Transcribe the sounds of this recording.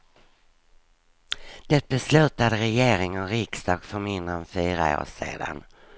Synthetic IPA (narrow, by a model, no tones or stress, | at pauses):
d̪̥ɛt̪̚bɛslʉ̟ːt̪ad̪əɾɛjeːɾɪŋənɾɪkst̪ɑːɡ̥fœɾmɪnd̪ənfyːɾa̰o̰ːʂḛːd̪a̰n